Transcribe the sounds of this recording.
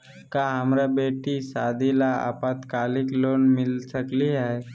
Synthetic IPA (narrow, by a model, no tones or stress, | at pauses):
kaɦəmɾabeːʈisaːd̪ilaa̰pat̪kaːlɪkloːnmɪlsəkliɦɛː